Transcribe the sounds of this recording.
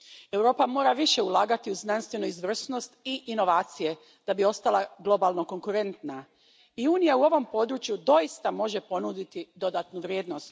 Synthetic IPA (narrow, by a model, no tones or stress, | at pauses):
e̞wɾo̞ːpamo̞ːɾaʋiʃe̞ulˠaːɡat̪iuznanst̪ʋe̞nuizʋr̩sno̞st̪iʔːno̞ʋaːt̪sije̞ | d̪̥abio̞st̪alˠaɡlˠo̞balˠno̞ko̞ŋkuɾe̞nt̪na | iuːnijauo̞ʋo̞mpo̞d̪ɾut͡ʃjud̪o̞ist̪amo̞ʒe̞po̞nud̪it̪id̪o̞d̪at̪nuʋɾjeːd̪no̞st̪